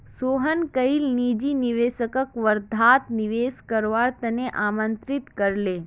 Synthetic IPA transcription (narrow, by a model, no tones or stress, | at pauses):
soːɦənkəilniːd͡ʒiniʋeːsəkəkʋəɾd̪ʱaːt̪niʋeːskəɾʋaːɾt̪əneʔaːmənt̪ɾɪt̪kəɾleː